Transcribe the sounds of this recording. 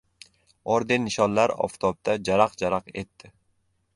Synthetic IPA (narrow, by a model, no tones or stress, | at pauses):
ɒɾd̪enːɪʃɒnlaɾɒ̰ft̪ʰɒb̚d̪̥ad͡ʒaɾaqd͡ʒaɾɑqe̞t̪ːɪ